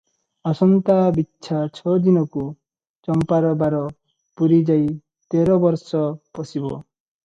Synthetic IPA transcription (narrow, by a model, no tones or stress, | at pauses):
ɔsɔnt̪abitːʃʰat͡ʃʰɔd̪inɔku | t͡ʃɔmpaɾɔbaɾɔ | puɾid͡ʒaj | t̪eɾɔbɔɾsɔpɔsibɔ̰